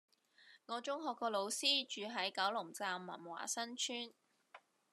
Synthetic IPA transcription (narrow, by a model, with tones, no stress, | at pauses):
ŋɔː˨˧t͡ʃʊ˥ŋɦɔː˧kːɔː˧lo˨˧wsiː˥t͡ʃyː˨˧ɦɐ˨˥jkɐ˨˥wlʊ˨˩ŋt͡saː˨mːɐ̰˨˩nwa̰ː˨˩sɐ˥nt͡ʃʰyː˥n